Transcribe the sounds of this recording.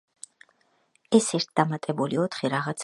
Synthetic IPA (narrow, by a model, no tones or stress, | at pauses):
ɛsɛɾt̪̚ʰd̪amat̪ʼɛbuliɔt̪ʰχiɾaʁat̪sʰ